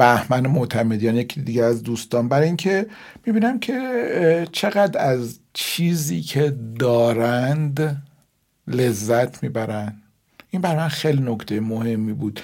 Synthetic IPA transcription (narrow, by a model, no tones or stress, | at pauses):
bæhmænemoʔt̪ʰæme̞d̪ijɒːnjecʰid̪iɟeæzd̪uːst̪ɒːnbæɾiŋcʰe̞ | miːbiːnæmcʰe̞ | t͡ʃʰe̞ɣæd̪æzt͡ʃʰiːziːcʰe̞d̪ɒːɾænd̪ | le̞zːæt̪ʰmiːbæɾænd̪ | ʔimbæɾmænxejlinokt̪ʰe̞jemohe̞mːibuːd̪̥